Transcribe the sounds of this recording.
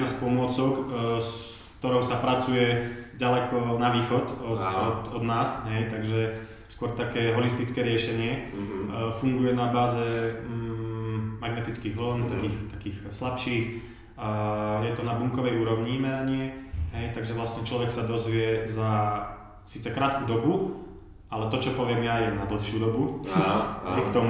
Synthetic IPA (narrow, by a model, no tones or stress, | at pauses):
naspɔmʊɔt͡sɔks | kt̪ɔɾɔʊsapɾat͡sujɛɟalɛkʰɔnaʋiːxɔt̪ɔɔt̪ɔd̪naːsɦɛjt̪aɡʒɛ | skʊɔɾt̪akɛːɦɔlist̪it͡skɛːɾɪɛʃɛɲɪɛ | fuŋɡujɛnabaːzɛ | maɡnɛt̪it͡skiːɣɦl̩nt̪akiːxt̪akiːxslapʃiːx | jɛt̪ɔnabuŋkɔʋɛjuːɾɔʊɲimɛɾaɲɪɛɦɛjt̪aɡʒɛʋlast̪ɲɛt͡ʃlɔʋɛksad̪ɔzʋɪɛza | siːt͡sɛkɾaːt̪kuːd̪ɔbu | alɛt̪ɔt͡ʃɔpɔʋɪɛmjajɛnad̪l̩xʃɪud̪ɔbu | jkt̪ɔm